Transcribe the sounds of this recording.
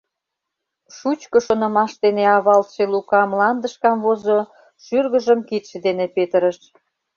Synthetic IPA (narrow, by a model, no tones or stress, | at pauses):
ʃut͡ɕkəʃonŏmɑʃd̪eneɑβɑlt̪ʃelukɑmlɑnd̪əʃkɑmβozo | ʃyrɣə̆ʒəmkit̪ʃĕd̪enepet̪əɾəʃ